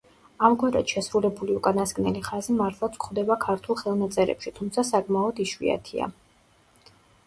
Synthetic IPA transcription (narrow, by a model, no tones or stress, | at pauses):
amkʰwɛd̪a̰t̪ʃɛsɾulɛbuliukʼanaskʼnɛliχazimaɾt̪ʰlˠat̪sʰkʰχwd̪ɛbakʰaɾt̪ʰulˠχɛlˠnat̪sʼɛɾɛ̰pʃit̪ʰumt̪sʰasakʼmaɔd̪iʃwḭa̰t̪ʰia̰